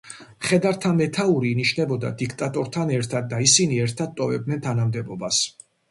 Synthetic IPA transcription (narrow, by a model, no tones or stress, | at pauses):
χɛd̪aɾt̪ʰamɛt̪ʰauɾiːniʃnɛbɔd̪a̰d̪ikʰt̪ʼat̪ʼɔɾt̪ʰanɛɾt̪ʰad̪̚d̪aisiniɛɾt̪ʰad̪̚t̪ʼɔvɛb̚d̪nɛnt̪ʰanamd̪ɛbɔbas